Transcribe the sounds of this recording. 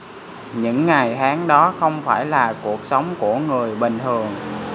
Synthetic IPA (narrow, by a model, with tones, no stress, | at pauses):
ɲɨ̰˧˥ŋːa˨˩jhaː˨˦ŋɗɔ˨˦xə˧wŋ͡mfaː˧˩jlaː˨˩ku˨˩ək̚sə˨˦wŋ͡mku˧˩əŋɨ˨˩əjɓï˨˩ŋ̟t̪ʰɨ˨˩əŋ